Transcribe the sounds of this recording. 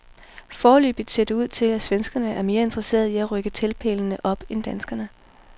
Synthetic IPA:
fɒːly̰ːb̥ð̩ˠse̝d̥əuð̞̰ˠt͡sʰe̝læsʋensɡ̥ɐnəʔæɐme̝ːɐe̝nd̥ʁɐse̝̰ːɐðˠiæʁœɡ̥ət͡sʰelpʰḛːlnəʔɒ̽b̥end̥ænsɡ̥ɐnə

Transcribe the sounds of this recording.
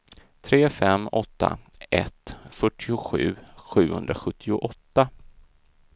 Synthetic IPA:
t̪ʰɾeːfɛmːɔt̪ːa̰ | ʔɛ̰t̪fœʈʰːɪʊɧʉ̟ːɧʉ̟ːhɵ̰nd̪ɾaɧɵt̪ʰːɪʊʔɔt̪ːa

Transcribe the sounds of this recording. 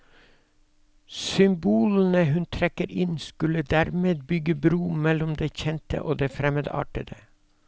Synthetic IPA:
sʏmbuːln̩əhʉnt̪ʰɾɛkəɾɪnskʉləd̪æːɾmeːd̪̚bʏɡəbɾuːmɛlʊmd̪eːçɛnt̪ə̰ʔoːd̪eːfɾɛməd̪ɑ̰ːʈəd̪ə

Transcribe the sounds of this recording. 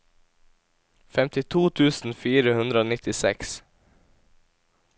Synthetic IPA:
fɛmt̪ɪt̪ʰuːt̪ʰʉːsn̩fiːɾəhʉnd̪ɾəoːnɪt̪ɪsɛks

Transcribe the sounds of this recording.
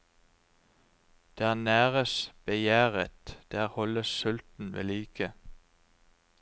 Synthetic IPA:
d̪̥eːæːnæːʁəsb̥əjæːʁət̪d̪̥æːʁhɔləssʏlt̪n̩ʋḛːliːkʰə

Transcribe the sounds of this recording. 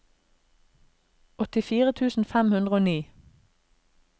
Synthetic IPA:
ɔt̪ɪfiːʁət̪ʰʉːsn̩fæmhʉnd̪ʁəoːniː

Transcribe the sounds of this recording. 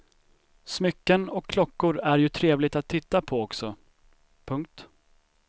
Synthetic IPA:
smʏkːənɔkʰːlɔkːʊɾæɾjɵt̪ʰɾeːvlɪt̪at̪ʰːɪt̪ːapʰɔɔksɔ | pʰɵŋk̚t̪

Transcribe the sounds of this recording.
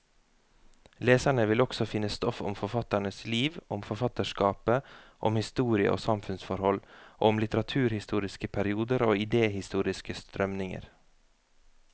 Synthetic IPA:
leːsæɳəʋɪlɔksɔfɪnːəst̪ɔfɔ̰mfɔɾfɑt̪æɳəsliːʋʔɔmfɔɾfɑt̪əʃkɑːpəʔɔmhɪst̪uːɾɪə̰ʔo̰ːsɑmfʉnsfɔɾhɔlʔɔmlɪt̪əɾɑt̪ʰʉːɾhɪst̪uːɾɪskəpʰæɾɪuːd̪əɾoːɪd̪eːhɪst̪uːɾɪskəst̪ɾœmnɪŋə̰ɾ

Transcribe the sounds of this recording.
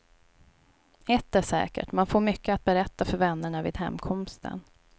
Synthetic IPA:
ɛt̪ːæʂɛ̰ːkə̰ʈmanfoːɾmʏkːəat̪̚bɛɾɛt̪ːafœɾvɛnːəɳavɪ̰ːd̪ɦɛ̰mkʰɔmst̪ʰə̰n

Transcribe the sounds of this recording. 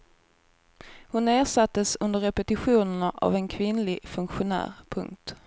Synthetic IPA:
hʊnːeːʂat̪ːəsɵnd̪əɾɛpɛt̪ɪɧuːnəɳaʔa̰vɛnkʰvɪnlɪɡfɵŋkɧʊnæ̰ːɾpʰɵ̰ŋk̚t̪

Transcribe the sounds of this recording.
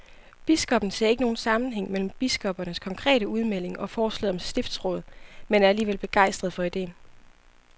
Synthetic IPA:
b̥isɡ̥ɒ̽b̥n̩se̝̰ɐ̰e̝ɡəno̝ːn̩sɑ̈mn̩ɦeŋ̰mel̰m̩b̥isɡ̥ɒ̽b̥ɐnəskʰɒ̽ŋkʰʁɛ̰ːɾəuð̞ˠmel̰e̝ŋʔɒ̽fɒːslɛ̰ðˠɒ̽msd̥e̝fd̥sʁɔ̽ːð̞̩ˠmenæɐæliːʋelb̥e̝ɡ̥ɑ̈ɪ̰sd̥ʁɐð̞̩ˠfɒ̽id̥e̝̰ːn

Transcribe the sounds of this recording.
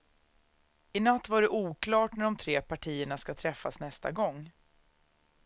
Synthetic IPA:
ɪnat̪ːvaɖɛʔuːkʰlɑːʈnæɖɔmt̪ʰɾeːpʰaʈʰiːəɳaskat̪ʰɾɛfːa̰snɛst̪a̰ɡɔŋː

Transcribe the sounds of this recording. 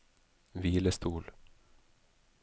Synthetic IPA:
viːləst̪uːl

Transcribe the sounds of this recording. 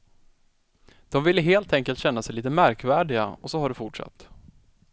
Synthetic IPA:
d̪̥ɔmvɪlːəɦeːlt̪ʰɛŋkəlt̪ɕɛnːasɛjliːt̪əmæɾkvæːɖɪɡa̰ɔsɔhaɖɛfʊʈʂa̰t̪ː

